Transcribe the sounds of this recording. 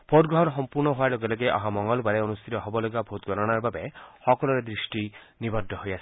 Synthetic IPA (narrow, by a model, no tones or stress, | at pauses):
bʰʱot̪̚ɡɾɔɦɔnxɔmpuɾnɔɦowaloɡelɔɡeʔa̰ɦamɔŋɡɔlbaɾeonust̪ʰit̪ɔɦɔbɔlojɡabʱot̪ɡɔɾɔɽ̃aɾbabexɔkɔlɔɾed̪ɾisʈi | nibɔd̪ʱːɔɦojasʰ